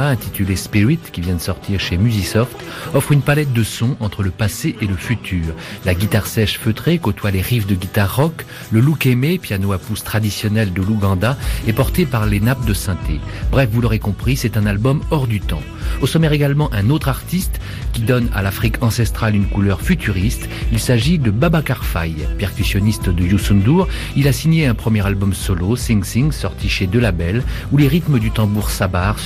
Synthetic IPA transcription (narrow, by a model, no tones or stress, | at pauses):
ɛ̃t̪it̪ylespiʁit̪kʲivjɛ̃d̪əsɔʁt̪ʰiʁʃemyzisɔft̪ɔfχynpalɛt̪̚d̪əsɔ̃ʔɑ̃t̪χələpaseʔeləfyt̪ʰyːʁlaɡʲit̪aʁsɛʃføt̪χekot̪waleʁifd̪əɡʲit̪aʁːɔk | ləlukemepjanoapust̪χad̪isjɔnɛld̪əluɡɑ̃d̪aɛpɔʁt̪epaʁlenap̚d̪əsɛ̃t̪ʰebʁɛfvulɔʁekɔ̃pχisɛt̪ɛ̃nalbɔmɔʁd̪yt̪ɑ̰̃ | osɔmɛʁeɡalmɑ̃ʔɛ̃not̪χaʁt̪ist̪ | kʲid̪ɔna̰lafχikʰɑ̃sɛst̪χalynkulœʁfyt̪ʰyʁist̪ | ilsaʒid̪əbabakaʁfa̰jpɛʁkʲysjɔnist̪d̪əjusɔnd̪uʁ | ilasiɲeɛ̃pχəmjɛʁalbɔmsɔlosĩŋsĩŋsɔʁt̪ʰiʃed̪əlabɛluleʁit̪məd̪yt̪ɑ̃buʁsabaːʁ